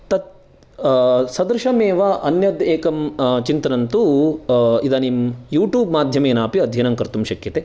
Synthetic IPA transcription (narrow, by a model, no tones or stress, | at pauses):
t̪ɐt̪̚ | sɐd̪ɾʃɐmeːʋɐʔɐnjɐd̪eːkɐmt͡ʃint̪ɐnɐnt̪u | id̪ɐnimjuːʈjuːbmaːd̪ʱjɐmeːnaːpiɐd̪ʱjɐnɐŋkɐɾt̪umʃɐkjɐt̪e